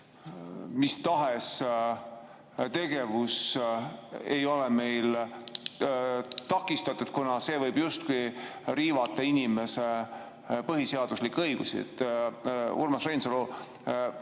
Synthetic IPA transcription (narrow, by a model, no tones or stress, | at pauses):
mist̪ɑɦes | t̪e̞ɡ̥e̞vus | e̞̰jo̞lɛme̞jl | t̪ɑkːˑist̪ɑt̪ːˑud̪̥̚kunɑse̞ːvɤjb̥just̪̚kujɾiːvɑt̪ːˑɑinime̞se̞ | pɤɦise̞ɑd̪̥uslikːˑɤjɡ̥usḭḛt̪ː | ṵrmɑsrejnsolo